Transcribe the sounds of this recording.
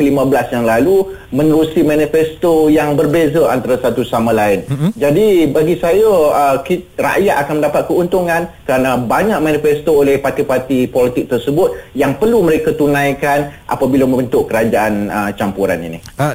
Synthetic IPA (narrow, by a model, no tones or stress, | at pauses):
kəlimãbəlasjaŋlalu | mə̃nəɾusimãnifɛst̪ojaŋbərbezaant̪aɾasat̪usamãlaɪnd͡ʒadibaɡisajəəkira̰ʔjaʔ̪akanməndapat̪̚kəunt̪uŋãnkəɾanabaɲak̚manifɛst̪oolɛhpart̪ipart̪ipɔlit̪ɪk̚t̪ərsəbʊt̪̚jaŋpərluməɾekat̪unãjkanʔa̰pabilamə̃ənt̪ʊʔkəɾad͡ʒaʔanət͡ʃampuɾa̰nḭnḭ